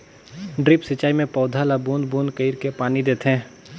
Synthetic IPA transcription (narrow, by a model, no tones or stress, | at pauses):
ɖɾɪpsɪt͡ʃaːimẽpɔːd̪ʱalabuːnd̪bunkəiɾkepaːnid̪eːt̪ɦɛ̃ː